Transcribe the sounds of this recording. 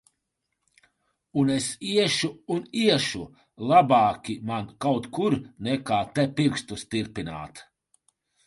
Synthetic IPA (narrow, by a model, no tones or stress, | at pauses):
unesiɛʃuːniɛʃu | lˠabaːkʲimankawt̪kuɾnɛkaːt̪ɛpiɾkst̪ust̪iɾpina̰ːt̪